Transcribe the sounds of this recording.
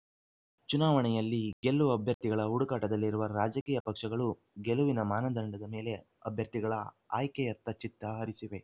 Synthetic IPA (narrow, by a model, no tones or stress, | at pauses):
t͡ʃunaːʋɐɳɛjɐlːiɡelːuɐbʱjɐɾt̪iɡɐɭɐɦuɽukaːʈɐd̪ɐlːiɾuʋɐɾaːd͡ʒɐkiːjɐpɐkʂɐɡɐɭu | ɡeluʋinɐmaːnɐd̪ɐɳɖɐd̪ɐme̞ːle̞ | ɐbʱjɐɾt̪iɡɐɭɐ | a̰ːjkɛjɐt̪ːɐt͡ʃit̪ːɐɦɐɾisiʋe̞